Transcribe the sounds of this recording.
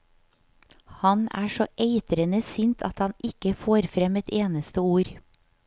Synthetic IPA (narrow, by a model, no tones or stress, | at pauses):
hɑnæ̰ːʃɔʔeɪt̪ɾənəsʏnt̪ʰɑ̰t̪hɑnɪkəfoːɾfɾɛmɛt̪eːnəst̪əuːɾ